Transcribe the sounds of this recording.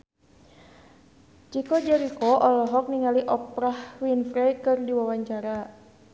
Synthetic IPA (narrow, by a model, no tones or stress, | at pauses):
d͡ʒikɔd͡ʒɛɾikɔʔɔlɔɦɔk̚niŋaliʔɔpɾahwinfɾɛjkɨrdiwawaɲt͡ʃaɾa